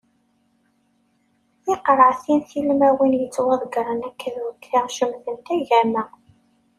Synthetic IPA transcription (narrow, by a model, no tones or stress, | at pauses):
ɪqɾˤəʕθinθilmæwinjət͡sːwɑðˤɡɾˤənækːəðwəkːθiʁʃəmðənt̪æʝæmæ